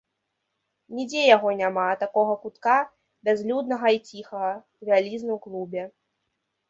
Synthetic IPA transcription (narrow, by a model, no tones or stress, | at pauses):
nʲid͡zʲɛjaɣɔnʲamat̪akɔɣɐkut̪ka | bʲazlʲud̪nɐɣɐit͡sʲixɐɣɐ | vʲalʲiznɨwklˠubʲɛ